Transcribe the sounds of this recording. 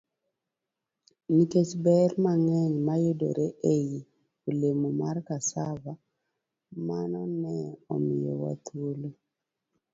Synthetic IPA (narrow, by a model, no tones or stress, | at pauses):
niket͡ʃbɛɾmaŋɛɲmajodo̰ɾeʔeji | olemumarkasava | manɔnɛɔmɪjɔ̰wa̰t̪ʰwolo